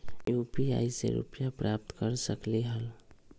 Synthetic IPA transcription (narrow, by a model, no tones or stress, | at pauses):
jupia̰isḛɾṵpjapɾʔap̚t̪kəɾsəkliɦəl